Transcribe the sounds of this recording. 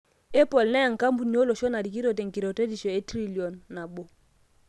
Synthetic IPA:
e˦pɔ˨lnɛ˦ja˨ŋ˨ka˦mbu˨ni˨˦o˦lo˨ʃɔ˦na˨di˨ki˦ɾo˨t̬ɛ˨ŋki˨ɾɔ˨te˦di˨ʃɔ˨e˦tɾi˦li˨ɔ˨nːa˨bo˨

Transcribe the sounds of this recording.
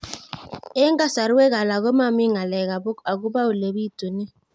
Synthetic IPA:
e˦ŋɡa˦sa˨ɾe˦ɣa˨la˨ɣo˦ma˦˨mi˦ŋa˨lɛ˨ɣa˨bo˦ka˨ɡu˦ba˦u˨le˨bi˦˨to˨ne˦

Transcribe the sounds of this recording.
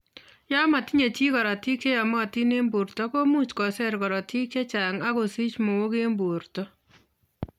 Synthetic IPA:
ja˦ma˨ti˦ɲe˨t͡ʃi˦kɔ˨ɾa˨ti˦kje˦ja˨mɔ˦a˨ti˦ne˦mbu˨ɾtɔ˦ko˦mu˦t͡ʃkɔ˨sɛ˦ɾkɔ˨ɾɔ˨tʰi˦kje˦t͡ʃa˨ŋa˦ko˨si˦t͡ʃmo˨wo˦ke˦mbu˨ɾtɔ˦

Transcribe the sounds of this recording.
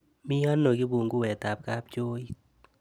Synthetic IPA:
mɪ˦jɔ˦nːo˨ɡi˦bu˨ŋɡu˦wɛ˨t̪a˨p̚ka˦p̚d͡ʒo˦i˦

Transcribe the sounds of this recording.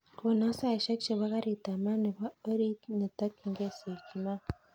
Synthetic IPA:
ko˨na˦sa˦i˨ʃa˦kʃe˨βa˦ka˦ɾi˨ta˨ma˦ni˨ba˦ə˦ɾi˦ni˨ta˦ki˨ŋɡe˦se˨ki˨ma˦

